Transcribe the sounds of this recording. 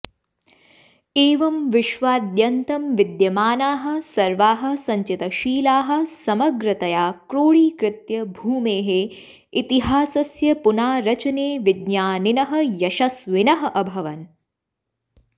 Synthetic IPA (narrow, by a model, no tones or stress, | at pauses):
eːʋɐmʋɪʃʋaːd̪jɐnt̪ɐmʋid̪jɐmaːnaːɦɐ̆sɐɾʋaːɦɐ̆sɐɲt͡ʃit̪ɐʃiːlaːɦɐ̆sɐmɐɡɾɐt̪ɐjaːkɾoːɭiːkɾɪt̪jɐbʱuːmeːɦe | it̪iɦaːsɐsjɐpunaːɾɐt͡ʃɐneːʋidɲaːninɐɦɐjɐʃɐsʋɪnɐɦɐʔɐbʱɐʋɐn